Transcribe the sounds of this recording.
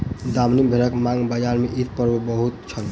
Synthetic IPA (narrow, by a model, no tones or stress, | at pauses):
d̪amnibʱeɾəkmãŋɡbəd͡ʒaɾmeʔit̪̚pəɾbəbəɦut̪̚t͡ʃʰəl